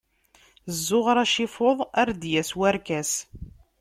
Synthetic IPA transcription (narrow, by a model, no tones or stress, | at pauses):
zːʊʁɾˤæʃɪfoðˤæɾd̪jæswæɾkæs